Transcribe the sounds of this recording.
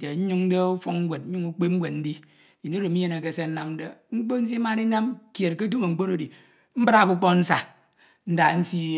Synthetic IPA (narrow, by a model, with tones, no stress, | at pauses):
e˨ɲ̩˦ɲu˦ŋ̩˦de˦u˦fo˦ŋŋ̩˦ɡʷe˨t̚ɲ̩˦ɲu˦ŋu˦k͡pe˦ŋ͡m̩˦ɡʷwe˨t̚n̩˦di˦˨ | ji˨ni˦ɾo˨mi˦je˦ne˨ke˦˨se˦n̩˦na˦mn̩˦de˦ŋ͡m̩˦k͡po˦n̩˦s̬i˦ma˦ɾi˦na˦mke˨tke˦du˦me˨ŋ͡m̩˦k͡po˦ɾo˨di˨ | m̩˦bɾa˦˨ku˦k͡po˦n̩˦sa˨ | n̩˦da˨n̩˦si˦